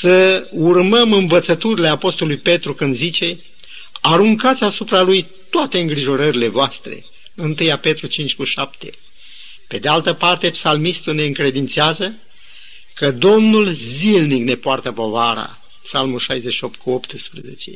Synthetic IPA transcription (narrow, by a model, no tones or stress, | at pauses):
səurməmɨnvət̪sət̪uɾile̞apo̞st̪o̞lujpe̞t̪ɾukɨnd̪zit͡ʃe̞ | aɾuŋkat̪sʲasupɾaluj | t̪oat̪e̞ɨŋɡɾiʒo̞ɾəɾile̞voast̪ɾe̞̰ | ɨnt̪ɨjape̞t̪ɾut͡ʃint͡ʃʲkuʃapt̪e̞̰ | pe̞d̪e̞alt̪əpart̪e̞psalmist̪une̞ɨŋkɾe̞d̪int̪seazə | kəd̪o̞mnulzilnikne̞poart̪əpo̞vaɾa̰ | psalmulʃajzeʃio̞pt̪̚kuopt̪ɨspɾeze̞̰t͡ʃe̞̰